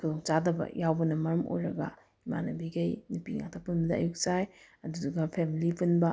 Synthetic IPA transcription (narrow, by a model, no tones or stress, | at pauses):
kʰuloŋt͡ʃadɐbɐ̰jawbɐnɐmɐɾɐmo̰jɾɐɡɐ̰ | ima̰nɐbiɡejnupiŋa̰k̚tʰapunbɐdɐɐ̰juk̚t͡ʃaj | ɐduduɡɐpʰemilipʰunbɐ